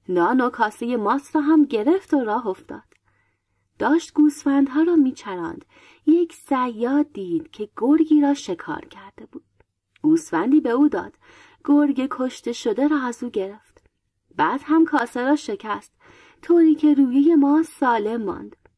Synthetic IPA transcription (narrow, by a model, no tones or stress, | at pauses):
nɒːnokʰɒːseje̞mɒːsɾɒːɦæmɟe̞ɾe̞ft̪oɾɒːɦoft̪ɒ̰ːd̪̥ | d̪̥ɒːʃt̪ɡ̥uːsfænd̪ɦɒːɾɒːmiːt͡ʃʰæɾɒ̰ːnd̪̥ | jecʰsæjːɒːd̪iːd̪̥cʰe̞ɡ̥oɾɡiːɾɒːʃe̞kʰɒ̰ːɾcʰæɾd̪̥e̞buːd̪̥ | ɡ̥uːsfænd̪iːbeuːd̪ɒ̰ːd̪̥ | ɡ̥oɾɡekʰo̞ʃt̪e̞ʃod̪e̞ɾɒːæzuːɟe̞ɾe̞ft̪ | bæːd̪̥hæmkʰɒːseɾɒːʃe̞cʰæst̪ | t̪ʰoːɾiːcʰe̞ɾuːjeje̞mɒːsɒːle̞mːɒ̰ːnd̪̥